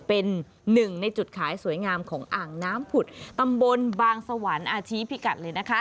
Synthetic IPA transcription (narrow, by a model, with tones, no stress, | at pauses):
pe˧nː | ɯ˨˩ŋna˧jt͡ɕu˨˩t̪̚kʰaː˩˦jsu˩˦əjŋaː˧mkʰɔː˩˦ŋʔaː˨˩ŋnaː˦˥mpʰu˨˩t̪̚t̪a˧mbo˧nbaː˧ŋsa˧waː˩˦nʔaː˧t͡ɕʰiː˦˥pʰi˦˥ka˨˩t̪̚lɤː˧jna˦˥kʰa˦˥